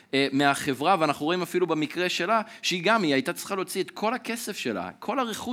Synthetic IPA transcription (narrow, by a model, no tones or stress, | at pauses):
emeaχe̞vʁaveanaχnuʁo̞imafilubemikʁe̞ʃe̞laʃeiɡamiajt̪at͡sʁi̥χalo̞t͡siet̪kʰo̞lake̞se̞fʃela̰kʰo̞laʁeχu